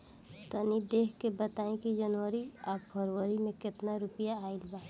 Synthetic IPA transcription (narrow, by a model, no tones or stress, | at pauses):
t̪ənid̪eːkʰkebət̪aːẽkid͡ʒənwəɾiaːbpʰəɾwəɾimẽkɪt̪naɾʊpjaːilbaː